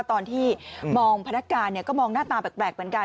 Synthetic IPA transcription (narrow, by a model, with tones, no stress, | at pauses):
t̪ɔː˧nt̪ʰiː˥˩mɔː˧ŋpʰa˧na˦˥kːaː˧nːi˥˩ɐkɔː˥˩mɔː˧ŋnaː˥˩t̪aː˧bɛː˨˩plɛː˨˩k̚mʰ˩˦nkaː˧